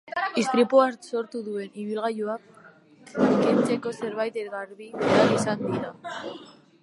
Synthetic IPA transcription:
ist̪ɾipoaso̞ɾt̪uðue̞niβilɣajuak̚ | kent͡se̞ko̞se̞ɾβajt̪eɣaɾβiaisand̪iɾa

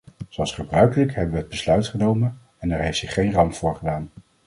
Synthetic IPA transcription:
z̥owɑlˠsχəbrœɥkələkɦɛbəʋəɦəd̚bəslœɥtχənowmən | ɛnɛɹɦejftsɪχːejnrɑmpfʊːɹχədaːn

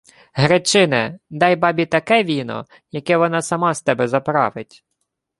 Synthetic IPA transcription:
ɦɾet͡ʃɪnɛd̪ɑjbɑbʲit̪ɐkɛʋʲinɔ̰ | jɐkɛʋɔnɑsɐmɑst̪ɛbɛzɐpɾɑ̰ʋɪtʲ

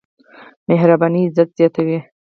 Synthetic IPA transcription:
meɦɾabaniːzat̪z̥jɑt̪awi

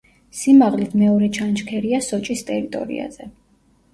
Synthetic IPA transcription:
simaʁlit̪ʰmɛɔɾɛt͡ʃʰant͡ʃkʰɛɾiasɔt͡ʃʼist̪ʼɛɾit̪ʼɔ̰ɾḭa̰zɛ

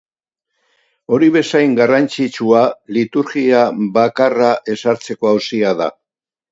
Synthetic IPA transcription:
o̞ɾiβe̞sajŋɡarant͡sit͡sualit̪uɾɣiaβakaraʔe̞saɾt͡se̞ko̞awsiaða̰

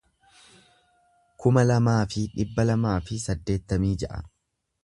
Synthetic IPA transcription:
kʊmɐlɐmaːfɪᶑɪbːɐlɐmaːfɪsɐd̪ːe̞ːt̪ːɐmiːd͡ʒɐʔɐ̰

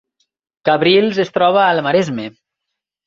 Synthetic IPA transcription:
kaβɾilˠzest̪ɾɔβaːlmaɾezme

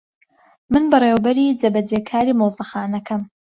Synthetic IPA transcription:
mɨnbɨrˤeːwbɐɾiːd͡zɐbɐd͡zeːkʰaːɾiːmowzˤɨxaːnɐkɐm

